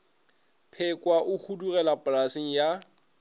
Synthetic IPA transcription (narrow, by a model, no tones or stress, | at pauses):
pʰɪkʼwaʔʊhʰudurɛlapʼlasiŋ̩ja